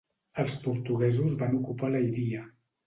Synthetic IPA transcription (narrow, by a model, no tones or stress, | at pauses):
əlˠspuɾt̪uɣɛzuzβanukupaləjɾiə